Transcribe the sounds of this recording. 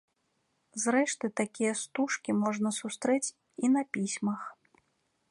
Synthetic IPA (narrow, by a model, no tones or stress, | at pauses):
zɾɛʂt̪ɨt̪akʲijɐst̪uʂkʲimɔʐnɐsust̪ɾɛt͡sʲ | inɐpʲisʲmɐx